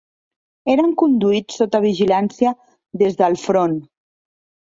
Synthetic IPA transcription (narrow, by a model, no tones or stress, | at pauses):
eɾəŋkund̪uit͡sːot̪əβ̞iʒilansiə | ðezðəlˠfɾon